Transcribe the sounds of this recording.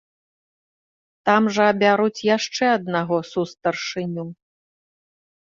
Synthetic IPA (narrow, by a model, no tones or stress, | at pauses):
t̪amʐɐːbʲaɾut͡sʲjaʂt͡ʂɛɐd̪naɣɔsust̪ɐrʂɨnʲu